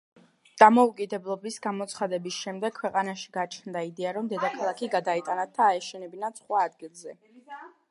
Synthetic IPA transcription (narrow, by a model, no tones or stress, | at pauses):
d̪̥amɔukʼid̪ɛblˠɔbisɡamɔt̪sʰχad̪ɛbisʃɛmd̪ɛkʰwɛqʼanaʃi̥ɡ̥at͡ʃʰnd̪aid̪ɛaɾɔmd̪ɛd̪akʰalˠakʰiɡad̪ait̪ʼanat̪ʰːaːɛʃɛnɛbinat̪sʰχwaːd̪̚ɡilˠzɛ